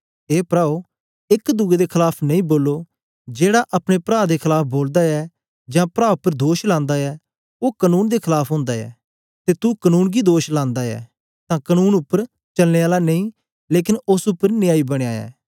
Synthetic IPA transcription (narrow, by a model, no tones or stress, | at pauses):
ɦeːpɾaːo | ɪkd̪ʊɡed̪ekʰɪlaːpʰnɐĩːboːlːoː | d͡ʒeːɽaʔɐpɽ̃epɾaːd̪ekʰɪlaːp̚ʰboːld̪aɛː | d͡ʒãːpɾaːʊpːəɾd̪oːʃlãːnd̪aɛː | oːkənuːnd̪eːkʰɪlaːpʰɦõːnd̪aɛ̰ː | t̪eːt̪ukənuːnɡid̪oːʃlãːnd̪aɛ̰ː | t̪ãːkənuːnʊpːəɾ | t͡ʃɐlneːaːlanɐĩː | leːk̬ɪnʊsʊpːəɾnɪjaːibəɽ̃eaːja̰ː